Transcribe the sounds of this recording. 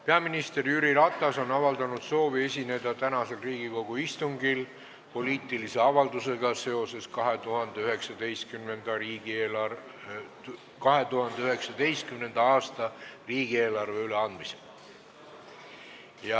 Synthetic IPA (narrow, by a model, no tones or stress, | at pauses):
pe̞ɑminist̪e̞ɾyɾiɾɑt̪ːˑɑso̞nɑvɑld̪ɑnud̪̥so̞ːvie̞sʲine̞d̪̥ɑt̪ænɑse̞lriːɡ̥iko̞ɡ̥uist̪uŋɡil | po̞liːt̪ˑilise̞ɑvɑld̪use̞ɡ̥ɑse̞o̞se̞skɑɦe̞t̪uɦɑnd̪eyɦe̞ksɑd̪e̞jst̪kymnend̪̥ɑɾiːɡ̥ieːlɑ | kɑɦe̞t̪uɦɑnd̪̥eyɦe̞ksɑd̪e̞jst̪̚kymne̞nd̪̥ɑɑːst̪ɑriːɡ̥ie̞ːlɑrve̞yle̞ɑnd̪mise | jɑ